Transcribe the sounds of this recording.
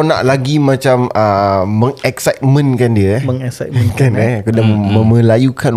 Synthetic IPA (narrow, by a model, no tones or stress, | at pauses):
nã̰ʔlaɡimãt͡ʃaməːə̃ŋɛksajt̪̚mə̃nkandiəməŋɛksatmkanɛkədamə̃mə̃lajukan